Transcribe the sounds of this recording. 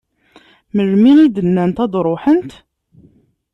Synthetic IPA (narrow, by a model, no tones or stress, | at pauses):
məɾmiid̪ənːænt̪æd̪ɾˤoħənt̪